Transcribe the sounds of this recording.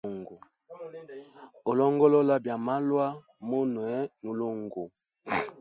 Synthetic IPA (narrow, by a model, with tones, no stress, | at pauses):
ŋɡo˨ | o˨lɔ˦ŋɡɔ˦lɔ˦la˦bja˨ma˦lwa˦ | mo˦nwɛ˨˦nu˨lo˦ŋɡo˨